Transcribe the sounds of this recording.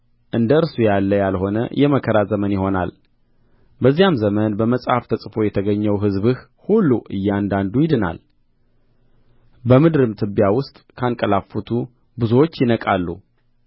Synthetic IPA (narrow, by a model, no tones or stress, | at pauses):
ʔɨnd̪əɨɾsujalːəjalho̞nə̰jʔɛməkʰəɾazəmənjɪho̞na̰l | bəzːijamzəmənbəməsʼhaft̪ʰəsʼfo̞jɛt̪ʰəɡəɲːəwɦɨzβɨh | hulːuʔɨ̰jːɛand̪and̪ujɪd̪ɨna̰l | bəmɨd̪ɾɨmt̪ʰɨbjawʊst̪ʼkʰankʼəlafut̪ʰu | bɨzuwot͡ʃːjɪnəkʼalːṵ